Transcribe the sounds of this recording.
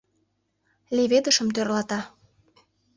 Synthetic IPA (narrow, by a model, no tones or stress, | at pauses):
leβed̪əʃə̆mt̪ørlɑt̪ɑ